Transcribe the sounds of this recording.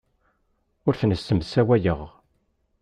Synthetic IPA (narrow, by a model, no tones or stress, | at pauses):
ʊɾθnəsːəmsæwæjəʁ